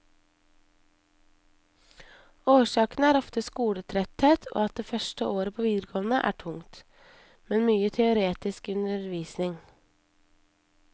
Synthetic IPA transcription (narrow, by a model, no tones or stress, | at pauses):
oːʃɑːkn̩əæːɾɔft̪əskuːɽət̪ʰɾɛt̪heːt̪ʰo̰ːɑt̪̚d̪eːfœʃʈəʔoːɾəpʰoːʋiːd̪ɾəkʰoːʋn̩əʔæ̰ːʈʰʊŋt̪ | mɛnmyːət̪ʰɛʊɾeːt̪ɪskʉnəɾʋiːsnɪŋ